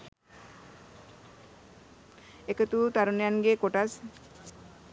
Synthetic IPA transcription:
ekət̪ut̪aɾunejanɡekoʈas

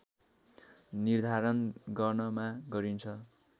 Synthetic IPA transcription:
nird̪ʱaɾʌnɡʌrnʌmaɡʌɾint͡sʰʌ

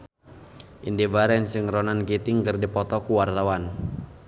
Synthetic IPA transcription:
ʔindibaɾɛnsɨŋrɔnankit̪ɪŋkɨrdipɔt̪ɔkuwart̪awan

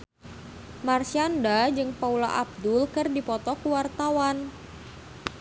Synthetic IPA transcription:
marsiandad͡ʒɨŋpaula̰ʔab̚dʊlkɨrdipɔt̪ɔkuwart̪awan

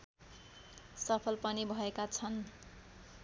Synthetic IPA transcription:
sʌpʰʌlpʌnibʱʌekat͡sʰʌn

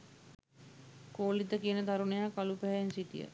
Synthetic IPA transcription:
koːlit̪əkiənət̪aɾunejakalupæɦænsit̪ḭjə̰

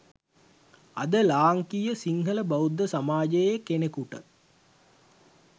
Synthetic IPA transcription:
ɐd̪əlaːŋkijəsiŋɦələbɐwud̪ːəsamaːd͡ʒejekenekuʈə

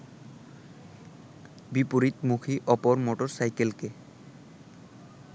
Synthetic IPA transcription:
bipoɾit̪mukʰiʔɔpɔɾmɔʈɔɾsajkelke

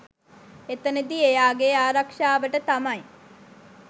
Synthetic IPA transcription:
et̪əned̪iejaːɡeaːɾɐkʂaːʋəʈət̪amɐj

